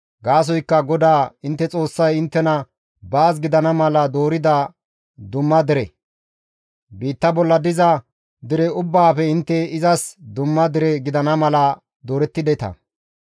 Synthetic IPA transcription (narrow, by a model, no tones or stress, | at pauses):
ɡaːs̬ɔjkːɐɡɔd̪aːɪnt̪ːɛt͡sʼo̞ːsːɐjɪnt̪ːɛnɐ | baːs̬ɡɪd̪ɐnɐmɐlɐd̪o̞ːɾɪd̪ɐ | d̪ʊmːɐd̪ɪɾɛ | biːt̪ːɐbɔlːɐd̪ɪzɐ | d̪ɪɾɛʊbːaːfɛɪnt̪ːɛɪzɐsd̪ʊmːɐd̪ɪɾɛɡɪd̪ɐnɐmɐlɐ | d̪o̞ːɾɛt̪ːɪd̪ɛt̪ɐ̰